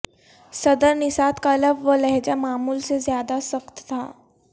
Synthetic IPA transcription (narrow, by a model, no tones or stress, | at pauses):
sɐd̪əɾnɪsaːt̪kaɐləbʋolɛɦd͡ʒamaːmuːlsezjaːd̪asɐxt̪ːʰa̰ː